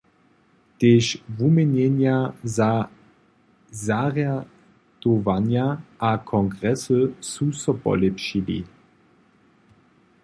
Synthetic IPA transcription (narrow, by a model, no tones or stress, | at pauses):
t̪eːʃvumenɛnjaza | zaʁja | d̪̥ovanjaʔakʰɔŋɡʁɛsəsusɔpɔ̰lɛpʃilḭ